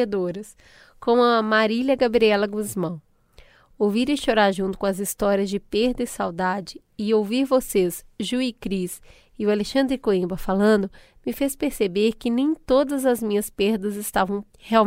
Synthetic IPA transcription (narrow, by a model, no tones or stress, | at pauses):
ed̪oɾɐs | kõw̃ɐmaɾiʎɐɡabɾiɛlɐɡuzmɐ̃w̃ | owviɾẽʃoɾaɾʒũnt̪ʊ̥kõɐzist̪ɔɾiɐzd͡ʒɪpeɾd̪ɐisawd̪ad͡ʒɪ | ɪowviɾvosezʒuikɾis | ɪʊaleʃɐ̃nd̪ɾɪkoĩbɐfalɐ̃nd̪ʊ | mɪfespeɾsebeɾkɪnẽj̃t̪od̪ɐzɐzmĩɲɐspeɾd̪ɐzɪst̪avɐ̃w̃ | heaw